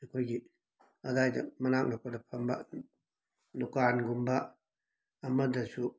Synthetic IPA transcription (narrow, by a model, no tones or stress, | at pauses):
nikʰojɡi | ɐdajdɐmɐnak̚nakʰodapʰamba̰ | dukanɡumbaː | mɐdɐsu